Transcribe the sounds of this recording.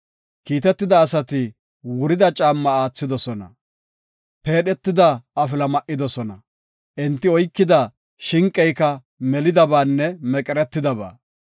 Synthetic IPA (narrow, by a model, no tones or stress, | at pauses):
kiːt̪ɛt̪ːɪd̪ɐːsɐt̪ɪ | wʊɾɪd̪ɐt͡ʃʼaːmːɐaːt͡sːɪd̪ɔsɔnɐ̰ | pe̞ːɗɛt̪ːɪd̪ɐɐfɪlɐmɐʔːɪd̪ɔsɔnɐ | ʔɛnt̪ːɪɔjkːɪd̪ɐ | ʃɪŋkʼːɛjkɐ | mɛlɪd̪ɐbaːnːɛmɛkʼɛɾɛt̪ːɪd̪ɐba̰ː